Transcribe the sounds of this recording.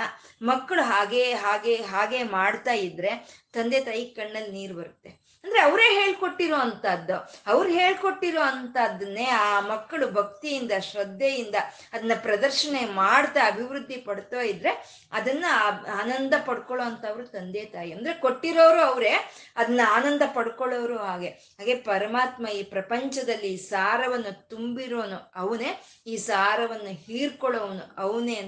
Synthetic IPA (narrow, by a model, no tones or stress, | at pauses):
ɐmɐkːɐɭuɦaːɡeːɦaːɡeːɦaːɡe̞ːmaːɽt̪aːjid̪ɾe̞t̪ɐnd̪eːt̪aːjikɐɳːɐlːniːɾbɐɾut̪ːe | ɐnd̪ɐɾeɐʋɾe̞ːɦe̞ːɭko̞ʈːiɾoːɐnt̪ɐd̪ːoɐʋɐɾɦe̞ːɭko̞ʈːiɾoːɐnt̪ɐd̪ɐnːe̞ːaːmɐkːɐɭubʱɐk̚t̪ijind̪ɐʃɾɐd̪ːjɐjind̪ɐ | ɐd̪ɐnːɐpɾɐd̪ɐɾʃɐɳemaːɽt̪aɐbʱiʋɾud̪ʱːipɐɽt̪aːjid̪ːɾe̞ | ɐd̪ɐnːɐaːnɐnd̪ɐpɐɽkɔɭoːɐnt̪ɐːʋɐɾut̪ɐnd̪eːt̪aːjiɐnd̪ɐɾe̞ko̞ʈːiɾoːʋɾuɐʋɾe̞ɐd̪ɐnːuaːnɐnd̪ʱɐpɐɽukɔɭoʋɾuɦaːɡe̞ | ɦaːɡe̞pɐɾɐmaːt̪mɐiːpɾɐpɐɲt͡ʃɐd̪ɐlːiːsaːɾɐʋɐnːut̪umbiɾoːnuɐʋuneː | iːsaːɾɐʋɐnːuhiːɾkɔɭoʋnuɐʋneː